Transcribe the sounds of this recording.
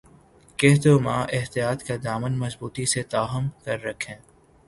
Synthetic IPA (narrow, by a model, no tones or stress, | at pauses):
keɦt̪oːmãːʔɪɦt̪ijaːt̪kad̪aːmənmɐsbuːt̪iset̪aːɦəmkɐɾːɐkʰẽː